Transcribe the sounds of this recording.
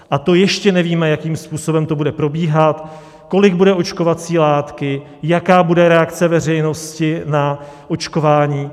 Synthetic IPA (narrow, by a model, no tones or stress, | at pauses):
ʔat̪o̞jɛʃcɛnɛviːmɛjakiːmspuːso̞bɛmt̪o̞budɛpɾo̞biːɦat̪ | ko̞lɪɡ̚budɛʔo̞t͡ʃko̞vat͡siːlaːt̪kɪ | jakaːbudɛɾɛakt͡sɛvɛr̝ɛjno̞scɪnaʔo̞t͡ʃko̞vaːɲiː